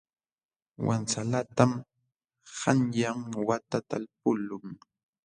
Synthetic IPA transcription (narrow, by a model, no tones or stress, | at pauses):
wa̰nt͡salat̪am | hanjamwat̪at̪alp̚ʊlʊŋ